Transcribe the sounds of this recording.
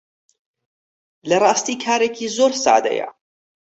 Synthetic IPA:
lɪɾˤɑːst̪iːkʰaːɾakʰiːzoːɾsa̰ʕd̪a̰ja̰

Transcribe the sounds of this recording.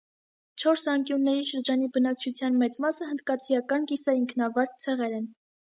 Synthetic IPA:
t͡ʃʰɔɾsɑŋkjunːɛɾiʃəɾd͡ʒɑnibənɑk̚t͡ʃʰut͡sʰjɑnmɛt͡smɑsəɦənd̪̚kɑt͡sʰijɑkɑnkisɑiŋkʰnɑvɑɾk̚t͡sʰɛʁɛɾɛn

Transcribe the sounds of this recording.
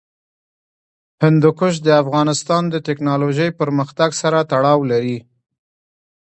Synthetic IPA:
hɪnd̪ʊkʊʃ̬d̪əafɣɑnɪst̪ɑnd̪ət̪ɪknɑloʒəjpəɾməxt̪aɡsaɾat̪aɽɑwlaɾi

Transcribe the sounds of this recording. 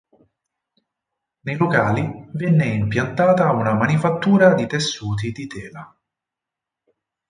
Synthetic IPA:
nejlokaːlivɛnːeimpjant̪aːt̪aunamanifat̪ːuːɾad̪it̪esːuːt̪̬id̪it̪ɛːla

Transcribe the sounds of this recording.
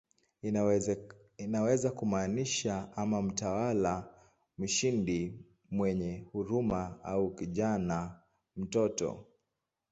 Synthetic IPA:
inawɛzakumaːniʃaamam̩tawala | m̩ʃindi | mwɛɲɛhuɾumaaukiʄana | m̩tɔtɔ̰

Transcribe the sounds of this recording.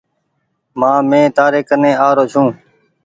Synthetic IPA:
mãːmẽːt̪aːɾeːkənẽːaːɾoːt͡ʃʰũː

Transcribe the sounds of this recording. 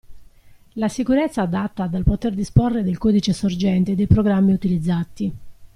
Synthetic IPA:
lasikuɾɛt̪sːaːd̪at̪ːad̪alpot̪erd̪isporːed̪elkɔːd̪it͡ʃesord͡ʒɛnt̪ed̪ejpɾoɡɾamːiut̪ilid̪zːat̪i

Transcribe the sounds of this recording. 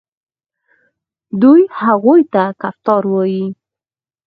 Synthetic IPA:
d̪ujhaɣojt̪akaft̪ɑɾwɑji

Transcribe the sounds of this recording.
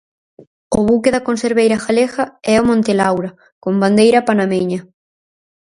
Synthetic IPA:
ʊβukeðɐkonseɾβejɾɐxalexaɛomõnt̪elawɾɐ | komband̪ejɾɐpanameɲɐ

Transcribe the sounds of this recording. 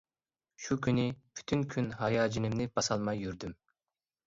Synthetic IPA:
ʃukʲʰynɪpʰy̥t̪ʰynkʲʰynɦɑjɑːd͡ʒinɪmnɪb̥ɑsɑlˠmɑjːyɾd̪ym

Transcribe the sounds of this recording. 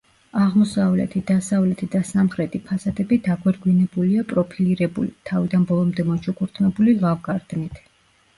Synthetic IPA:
aʁmɔsavlɛ̰t̪ʰid̪asavlɛt̪ʰid̪asamχɾɛt̪ʰʼipʰasad̪ɛbid̪aɡwɛɾɡwinɛbuliapʼɾɔpʰiliɾɛbṵlit̪ʰavid̪anbɔlˠɔmd̪ɛmɔt͡ʃʰukʰuɾt̪ʰmɛbulilˠavɡaɾd̪̥nit̪ʰ

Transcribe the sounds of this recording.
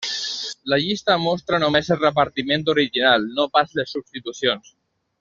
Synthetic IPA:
laʎist̪amɔst̪ɾanomezelrepaɾt̪imẽnt̪oɾiʒinalnopazlesːubst̪it̪usjons

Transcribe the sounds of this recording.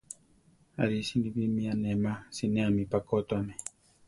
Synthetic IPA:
a̰ɾisiniβimianemasinẽamipakot̪oame

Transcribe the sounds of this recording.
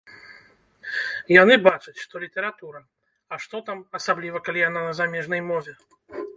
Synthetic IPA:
janɨbat͡ʂɐt͡sʲʂt̪ɔlʲit̪ɛɾat̪uɾɐ | ɐʂt̪ɔt̪amɐsablʲivɐkalʲijananɐzamʲɛʐnɐjmɔvʲɛ

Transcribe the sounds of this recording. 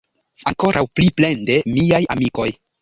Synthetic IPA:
aŋko̞ɾʔawpliple̞nde̞miaja̰miko̞j

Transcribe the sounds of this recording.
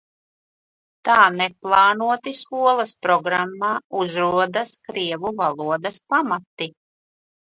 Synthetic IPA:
t̪aːnɛplˠɑːnuɔt̪iskuɔlˠɐspɾɔɡɾamːaːuzɾuɔd̪askɾiɛvuvalˠuɔd̪aspamat̪ːi

